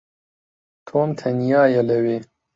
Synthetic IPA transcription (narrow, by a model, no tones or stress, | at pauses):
t̪ʰoːmt̪ʰɐnjɑːjɛləweː